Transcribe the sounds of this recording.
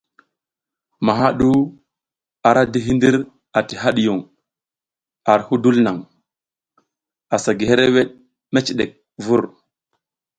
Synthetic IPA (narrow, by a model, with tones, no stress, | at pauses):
ma˨ɦa˦ɗu˦ | a˨ɾa˦di˦ɦi˦ndi˦ɾ | a˨ti˨ɦa˦ɗi˨ju˨ŋ | a˨ɾhu˦du˦lna˨ŋ | a˨sa˨ɡi˨he˦ɾe˦we˦ɗ̚ | me˦t͡ʃi˨ɗe˨k̚ | vu˦˨ɾ